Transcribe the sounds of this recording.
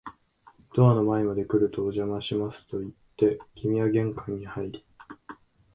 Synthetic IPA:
t̪o̞ano̞maemad̪e̞kɯ̟ɾɯ̟t̪o̞ːʑamaɕimasɨ̥t̪o̞it̪ːe̞kʲimʲiaɡẽ̞ŋkãɲ̟ːihaiɾʲi̥

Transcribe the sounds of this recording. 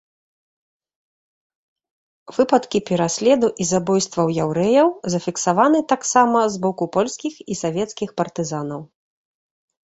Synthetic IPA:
vɨpɐt̪kʲipʲɛɾasʲlʲɛd̪uʔizabɔjst̪vɐwjawɾɛjɐwzɐfʲiksavanɨt̪aksamɐzbɔkupɔlʲsʲkʲixisavʲɛt̪skʲixpɐrt̪ɨzanɐw

